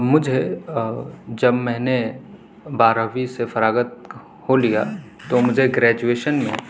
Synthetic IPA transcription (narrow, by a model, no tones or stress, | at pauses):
mʊd͡ʒʱe | d͡ʒɐbmɛ̃ːne | baːɾəʋisefɐɾaːɡət̪̚ | holijaː | t̪omʊd͡ʒʱeɡɾɛːd͡ʒueːʃənmḛ̃